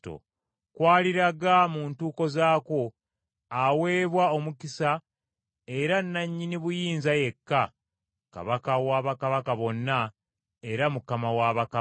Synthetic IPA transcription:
to̰ | kwaːliɾaɡamuːntuːko̞zaːko̞ | awe̞ːβwao̞mukisa | e̞ɾanːaɲːiniβujiːnzaje̞kːa | ka̰βakawaβakaβakaβo̞nːa | e̞ɾamukamawaβak

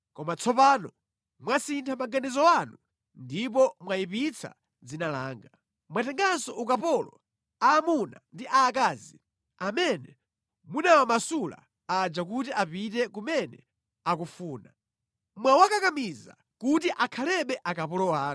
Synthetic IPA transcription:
kɔmat͡sʰɔpaːnɔ | mwasintʰamaɡanɛzɔwanu | ndipɔmwajipit͡sʰa̰ | d͡zinala̰ːŋɡa | mwatɛŋɡansɔʔukapɔlɔ̰ | aːmuna̰ndiʔaːkaːzi | amɛnɛ | munawamasula̰ | ad͡ʒak̬utiʔapitɛkumɛnɛ̰ | akufuːna | mwawakakamiza̰ | kutiʔakʰalɛɓɛʔakapɔlɔwaː

